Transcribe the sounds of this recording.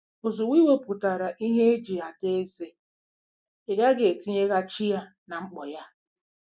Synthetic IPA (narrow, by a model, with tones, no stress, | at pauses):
ʊ˨zʊ˨wi˦we˦pʊ˨ta˨ɾa˨ʔi˦ɦe˦e˦d͡ʒi˨a˨te˦e˦ze˦ | e˨ɡa˦ɡe˨ti˦ɲe˦ɣa˦t͡ʃi˦ja˦ | na˨ŋ͡m̩˦k͡pɔ˨ja˦